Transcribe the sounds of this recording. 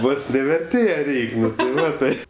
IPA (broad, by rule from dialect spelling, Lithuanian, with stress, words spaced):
ˈʋoːs nʲɛ ʋʲɛrʲˈtʲeːjɛ ˈrʲɛɪkʲ ˈnʊ tʲɪ ˈʋɐ ˈtɐɪ